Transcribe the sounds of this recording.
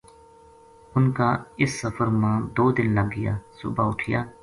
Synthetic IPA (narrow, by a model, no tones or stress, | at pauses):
ʊnkaːɪsːəfəɾmãːd̪oːd̪ɪnləɡːɪja̰ːsʊ̰ːbaːʊʈʰɪja̰ː